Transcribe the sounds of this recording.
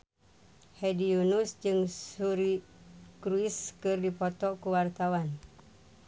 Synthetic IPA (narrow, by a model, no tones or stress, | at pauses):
hɛdiunusd͡ʒɨŋsuɾikɾuiskɨrdipɔt̪ɔkuwart̪awan